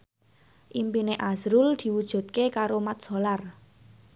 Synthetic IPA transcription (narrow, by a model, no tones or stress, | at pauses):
ʔimpineʔazɾʊld̪̥i̤wud̥ʒ̥ṳt̪̚kekaɾomat̪̚solar